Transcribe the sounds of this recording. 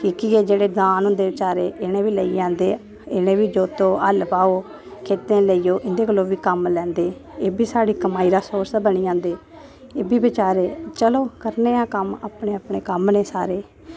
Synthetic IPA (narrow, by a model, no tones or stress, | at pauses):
kʰiːkiːeːd͡ʒeːɽeːd̪aːnɦʊ̃nd̪eːʋɪt͡ʃaːɾeːʔɪñẽːʋiːləiːãːnd̪eː | ɪɽẽːʋiːd͡ʒoːt̪õːəlpaːoː | kʰeːt̪ẽːləiːjoːʔɪnd̪eːkəlːoːʋiːkəmlɛ̃ːnd̪eːeːbiːsaːɽiːkəmaːiːɾaːsoːɾsbəniːãːnd̪eː | eːbiːbɪt͡ʃaːɾeːt͡ʃəloːkəɾneːãːkəma̰ːpɳeːəpɳeːkəmneːsaːɾeː